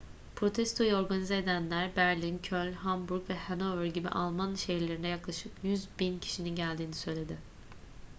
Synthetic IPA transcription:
pʰɾo̞t̪ʰɛst̪ʰo̞juo̞ɾɡanizeed̪ænlʲæɾbæɾlʲincʰølʲɦambuɾkvɛhanovɾɟibḭʔalˠmanʃe̞jiɾlʲeɾind̪ɛjaklˠaʃɯpjyzbincʰi̥ʃininɟælʲd̪iːnisø̞jlʲe̞d̪ɪ

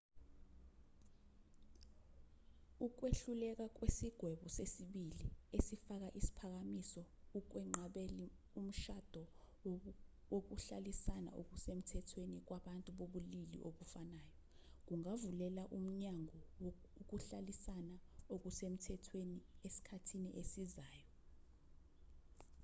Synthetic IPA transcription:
uk̬weɬulɛk̬ak̬wesiɡ̥ʱwɛɓɔsesiɓiliesifak̬aʔisi̥pʰak̬amisɔ | uk̬wɛŋ͡ǃaɓɛli | um̩ʃad̥ʱɔ | ok̬uɬalisana̰ʔo̰k̬usem̩tʰɛtʰwenik̬waɓantʼuɓoɓulilḭʔoɓufanaːjɔ | k̬uŋavulɛlaʔum̩ɲaŋɔ | ok̬uɬalisanaok̬usem̩tʰɛtʰweniesi̥kʰatʰiniʔesizaːjɔ

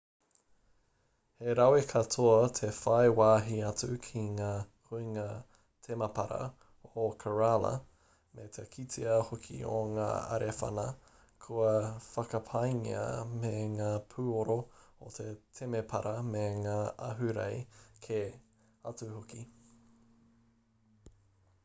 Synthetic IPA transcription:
heɾɐwekʰɐtʰoɐtʰefɐjwaːɦiɐt͡sʉkʰiŋaːkuiŋaː | tʰemɐpɐɾɐ̰ | okʰəɹalɐ̰ | met̪ʰekʰitʰiɐhokʰḭo̰ŋa̰ːɐ̰ɾefɐ̰nɐ | kʰuɐfɐkɐpʰɐjŋḭɐ̰meŋaːpʰuːoɾoot̪ʰetʰemepʰɐɾʔɐmeŋaːʔɐɦʉɾɐ̰jkʰe | ɐt͡suhoki

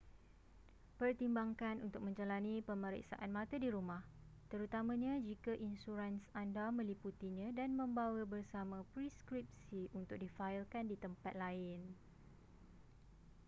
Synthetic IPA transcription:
pərt̪imbaŋkanunt̪ʊk̚mə̃ɲd͡ʒalanipəmə̃ɾḭksa̰ʔanmãt̪adiɾumãh | t̪əɾut̪amãɲãd͡ʒikaʔinsuɾansandamə̃liput̪iɲãdanmə̃mbawəbərsamãpɾiskɾip̚siʔunt̪ʊk̚difaɪlkandit̪əmpat̪̚laɪn

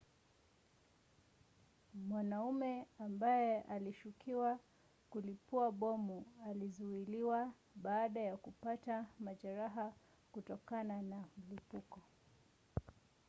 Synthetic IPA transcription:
mwanaumɛambajɛʔaliʃukʰiwa | kulipuaɓɔmualizuiliwa | ɓaːɗajakupatamaʄaɾaɦa | kutɔkananam̩lipukɔ

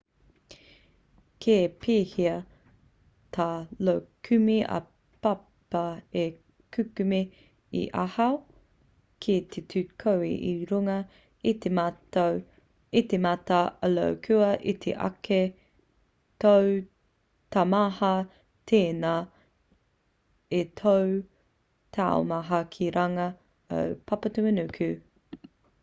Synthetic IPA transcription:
kʰepʰiːhiɐ | t̪ʰaːlowkʰʉmiʔɐ̰ | pɐpɐe | kʰʉkʉmi | ḭʔɐhɐw | kʰit̪ʰet̪ʰʉkʰowḭʔiɾuŋɐ | it̪e | it̪emɐtɐɐlo̰wkʰʉɐʔit̪ʰḛʔɐ̰ke | tow | tɐmɐhɐ | tʰeːnaː | etʰow | t̪ʰa̰o̰mɐɦɐkʰiɾʔɐŋɐ | ə̰wpʰɐpɐtumənʉkʰʉ

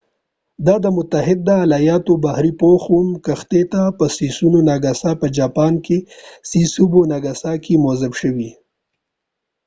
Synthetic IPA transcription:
d̪ɑd̪əmʊt̪aɦɪd̪ːəːlajɑːt̪obahɾipoxumkəxt̪et̪apəsisunonaɡasapəd͡ʒɑːpɑːnkesisubonaɡasakimozɪbʃəwi

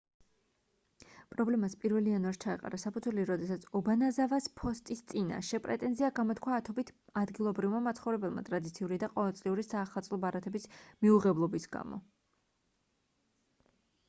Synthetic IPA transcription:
pʼɾɔblɛmaspʼiɾvɛlianuaɾst͡ʃʰaɛqʼa̰ɾasapʰud̪zʰwɛliɾɔd̪ɛsat̪sʰɔbanazavaspʰɔst̪ʼist̪sʼina̰ʃɛpʼɾɛ̰t̪ʼɛnziaɡamɔt̪ʰkʰwaːt̪ʰɔbit̪ʰad̪ɡilˠɔbɾivmamat̪sʰχɔvɾɛbɛlˠma̰t̪ʼɾad̪it̪sʰiuɾid̪aqʼɔvɛlˠt̪sʼliuɾisaːχat̪sʼlˠɔbaɾat̪ʰɛbismiuʁɛblˠɔbisɡa̰mɔ̰

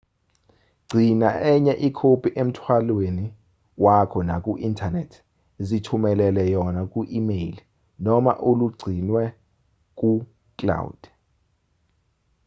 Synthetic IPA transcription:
ɡ͡ǀʱinaʔɛɲɛʔikʰopʰʼiʔem̩tʰwalweni | wakʰɔnakʼuʔintʰanetʰ | zitʰumɛlɛlɛjɔnak̬ʼuʔimeli | nɔma̰ʔoluɡ͡ǀʱinwɛ | k̬ʼu | kʼla̰ud̥

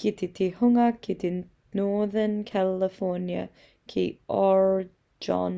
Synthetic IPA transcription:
ɡ̥it̪it̪ʰihʊŋəkʰit̪i | noːðənkʰɛləfɔɹnjə̰ | kʰḭːɔɹ | d͡ʒɑ̰n

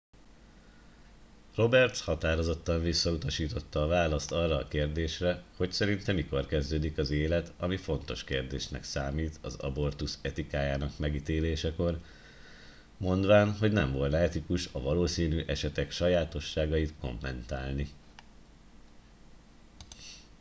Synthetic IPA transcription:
ro̞bɛrt̪shɒt̪aːɾo̞zo̞t̪ːɒɱvisːɒut̪ɒʃiːt̪o̞t̪ːɒːvaːlɒst̪ɒrːɒːkeːrd̪eːʃrɛho̞csɛɾint̪ɛmːiko̞rkɛzd̪øːd̪ikɒzeːlɛt̪ɒmifo̞n̪t̪o̞ʃkeːrd̪eːʃnɛ̰ksaːmiːt̪ʰɒ̰zɒ̰bo̞rt̪usɛt̪ikaːjaːnɒkmɛɡit̪eːleːʃɛko̞r | mo̞nd̪ʋaːnɦo̞ɟnɛɱvo̞lnɛɛt̪ikuʃɒvɒloːsiːnyːʔɛʃɛt̪ɛkʃɒjaːt̪o̞ʃːaːɡɒjit̪ko̞̰mːɛnt̪aːlni

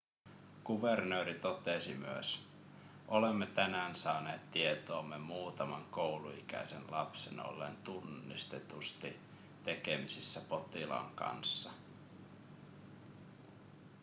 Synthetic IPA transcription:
ɡ̥uʋernøːɾit̪o̞t̪esimyø̰s | ʔolemːet̪ænæːnsɑːneːt̪tːie̞t̪oːmːemuːt̪ɑmɑŋkowluikæ̰ise̞̰nlɑpsḛno̰lːḛnt̪unːist̪e̞t̪ust̪i | t̪e̞kemisisːæpo̞t̪ilɑ̰ŋkɑ̰nsːɑ

